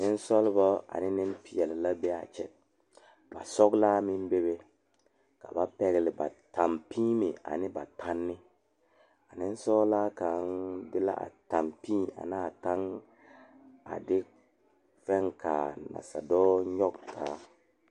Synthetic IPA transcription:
nɪ˦n˦sɔ˦lbɔ˦a̰˨nɪ˦nɪ˦mpɪ˨ɛ˨lɪ˨la˦be˦a̰˨t͡ʃɛ˨ | ba̰˨sɔ˦ɡlaː˦mɪ˦mbe˦be˦ | ka˨ba˦pɛ˨ɣlɪ˨ba̰˨ta˨mpʰiː˦mɪ˨a̰˨nɪ˦ba˨tʰa˦nːɪ˦ | a˨nɪ˦n˦sɔː˦laː˦ka˨˦ndɪ˦la̰˦ʔa̰˨ta˨mpĩː˦˨a̰˨naː˦˨ta˦ŋ | a̰˨dɪ˦ | fɛ˦ŋka̰˨na̰˨sa˨dɔː˦ɲɔ˦ktʰaː˨˦

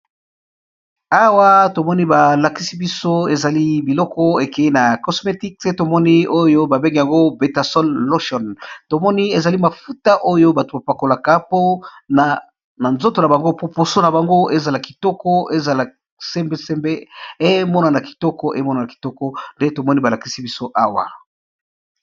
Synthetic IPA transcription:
a˦wa˦to˨mɔ˦ni˦ba˨la˨ki̥˦si˦bi˦so˦e˨za˨li˦bi˨lɔ˦kɔ˦e˨ke˨i˦na˨kɔ˨sme˨ti˦kse˦to˨mɔ˦ni˦o˦jo˦ba˨be˦ŋɡe˨ja˨ŋɡo˦be˨ta˨sɔ˦lːo˦ʃɔ˨nto˨mɔ˦ni˦e˨za˨li˦ma˨fu˦ta˦ʔo˦jo˦ba˨to˨ba˨pa˨ko˨la˨ka˦po˦na˨ | na˨nzo˦to˨na˨ba˨ŋɡo˦po˦po˨so˦na˨ba˨ŋɡo˦e˦za˨la˨ki˨tɔ˦kɔ˦e˦za˨la˨ | se˦mbe˦se˦mbe˦e˦mɔ˦na˨na˨ki̥˨tɔ˦kɔ˦ʔe˦mɔ˦na˨na˨ki̥˨tɔ˦kɔ˦nde˦to˨mɔ˦ni˦ba˨la˨ki̥˦si˦bi˦so˦ʔa˦wa̰˨

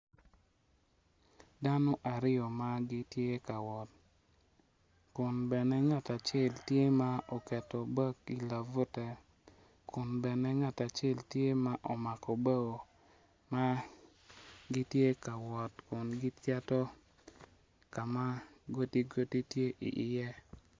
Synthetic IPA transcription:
da˦nɔ˦ʔa˨ɾɪ˦ɔ˨ma˦ɡi˦tje˦ka˨wɔ˨t̚ | kʊ˨nbɛ˨nɛ˦ŋa˦ta˨t͡ʃe˦˨ltje˦ma˦o˨kɛ˨tɔ˨bɔ˦ki˨la˨vu˦tɛ˦ | kʊ˨nbɛ˨nɛ˦ŋa˦ta˨t͡ʃe˦˨ltje˦ma˦ʔɔ˨ma˨kɔ˨be˦ɡo˨ | ma˦ | ɡi˦tje˦ka˨wɔ˨tkʊ˨nɡi˦ta˦tɔ˦ | ka˨ma˦ɡo˦ti˦ɡo˦ti˦tje˦ʔḭ˨ʔɪ˨jɛ˦

